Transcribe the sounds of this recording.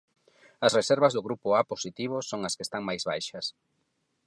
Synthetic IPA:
ɐsreseɾβɐzðʊɣɾupʊaposit̪iβ̞ʊsːoŋɐskest̪aŋmajzβajʃɐs

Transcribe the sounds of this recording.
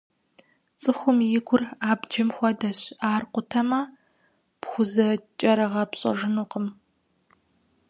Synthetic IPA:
t͡sʼɨxʷʊmjɪɡʷʊraːbd͡ʒɐmxʷɔdɐɕaːrqʷʊtʰɐmɐ | pχʷʊzɐt͡ʃʼɐɾɨʁɐpɕʼɐ̰ʒɨnʊqəm

